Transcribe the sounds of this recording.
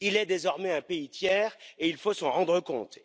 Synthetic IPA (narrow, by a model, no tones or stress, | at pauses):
ilɛd̪ezɔʁmɛɛ̃peit̪jɛːʁeilfosɑ̃ʁɑ̃d̪ʁəkɔ̃t̪